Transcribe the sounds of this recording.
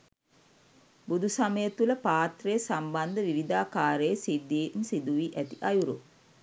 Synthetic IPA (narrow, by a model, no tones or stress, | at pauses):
bud̪usaməjət̪uləpaːt̪rejəsamband̪əʋiɾid̪aːkaːɾəjsid̪iːmsid̪uʋiʔæt̪iʔajuɾṵ